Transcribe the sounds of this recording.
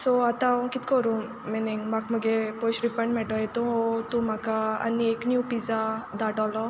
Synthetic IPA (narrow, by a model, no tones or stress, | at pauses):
soat̪aɔ̃kit̪ʰkɔɾũ | meneŋmakməɡepoʃɾifəɳʈmɛʈɔet̪ũɔt̪ũmakaɐ̰nieknjuːpizad̪aʈɔlɔ